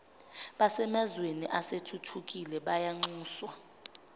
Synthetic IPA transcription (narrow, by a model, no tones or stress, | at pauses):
ɓasɛmɛzweniʔasetʰutʰukʼilɛɓajaŋ͡ǀuːswa